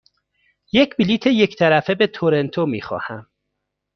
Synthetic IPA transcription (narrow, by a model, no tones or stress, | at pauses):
je̞cʰbiliːt̪ʰe̞je̞ct̪ʰæɾæfe̞be̞t̪ʰoɾe̞nt̪ʰomḭːxɒ̰ːhæ̰m